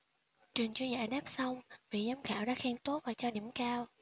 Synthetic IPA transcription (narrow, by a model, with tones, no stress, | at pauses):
t͡ɕwi˨˩əŋt͡ɕu˧za̰ː˧˩ɗaː˦˥p̚sa˧wŋ͡mvḭ˧˨zaː˨˦mxaː˧˩wɗa̰ː˧˥xɛː˧nt̪o˦˥vaː˨˩t͡ɕɔ˧nḭ˧˩əmkaː˧w